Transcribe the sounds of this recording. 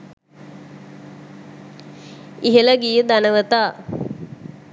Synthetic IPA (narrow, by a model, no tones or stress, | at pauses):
iɦələɡijəd̪anəʋət̪aː